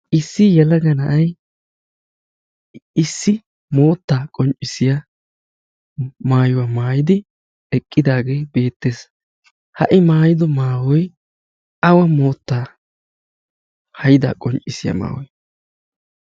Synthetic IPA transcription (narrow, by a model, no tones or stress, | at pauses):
ʔɪsːɪjɛlɐɡɐnɐʔɐj | ɪsːɪ | mo̞ːt̪ːaːkʼɔnt͡ʃʼːɪsɪjɐ | maːjʊwaːmaːjɪd̪ɪ | ɛkʼːɪd̪aːɡe̞ːbe̞ːt̪ːeːs | hɐʔɪmaːjɪd̪ɔmaːwɔj | ɐwɐmo̞ːt̪ːaː | hɐjɪd̪a̰ːkʼɔnt͡ʃʼɪsɪjɐ̰ma̰ːwɔj